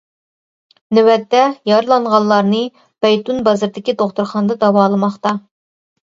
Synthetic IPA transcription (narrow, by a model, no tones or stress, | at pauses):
nɪwɛt̪ːɛjɑɾlˠɑŋʁɑnlːˠɑɾnɨ | bɛjt̪unbɑzɨɾd̪ɪkʲit̪oχt̪uɾχɑnd̪ɑd̪ɑwɑːlˠɨmɑχt̪ɑ